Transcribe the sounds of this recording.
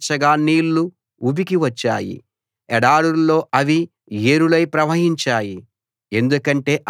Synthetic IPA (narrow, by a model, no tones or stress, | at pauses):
t͡ʃɐɡaːniːlːu | ubikiʋɐt͡ʃːa̰ːjḭ | ɛɽaːɽuɾːo̞ːʔɐʋi | eːɾulɐjpɾɐʋɐɦiɲt͡ʃaːji | e̞nd̪ukɐɳʈe̞ːʔ